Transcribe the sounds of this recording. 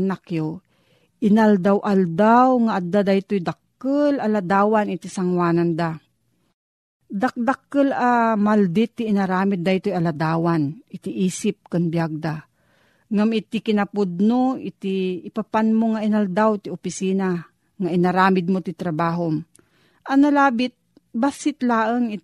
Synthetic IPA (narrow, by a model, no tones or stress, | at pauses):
nakjo | ʔɪnald̪awʔald̪awŋaʔad̪ad̪ajt̪ojd̪ak̚ː | əlalad̪aːwanɪt̪isaŋwaːnand̪a | d̪ak̚d̪akːəlamald̪ɪt̪iʔɪnaɾaːmɪd̪̚ːajt̪ojalad̪aːwanɪt̪iʔiːsɪp̚kanbjaɡ̚d̪a | ŋamɪt̪ɪkɪnɐpʊd̪̚noɪt̪iːpapanmoŋaɪnald̪awt̪iopɪsiːna | ŋaɪnaɾaːmɪd̪̚mot̪ɪt̪ɾabaːɦom | ʔanɐlaːbɪt̪̚ | basɪt̪laːʔəŋɪ